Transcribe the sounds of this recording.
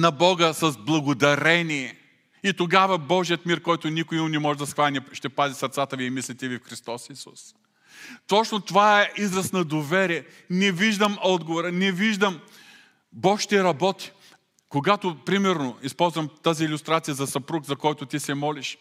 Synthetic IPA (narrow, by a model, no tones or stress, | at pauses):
nɐbɔɡəsɐzblˠɐɡʊd̪ɐɾɛniɛ | it̪oɡavəbɔʒijət̪miɾkɔjt̪ʊnikʊimʊnɛmɔʒɛd̪ɐsxvanʲɛʃt̪ɛpazʲisɐɾt̪sat̪əviimislit̪ɛvifxɾist̪ɔsisus | t̪ɔt͡ʃnot̪ovaɛʔizɾɐsnɐd̪ovɛɾiɛ | nɛviʒd̪əmɔd̪ɡovoɾənɛviʒd̪əm | bɔkʃt̪ɛɾɐbɔt̪i̥ | koɡat̪ʊpɾimɛɾnoispɔlˠzvɐmt̪aziːlʲʊst̪ɾat̪sijəzɐsɐpɾukzɐkɔjt̪ʊt̪isɛmɔliʃ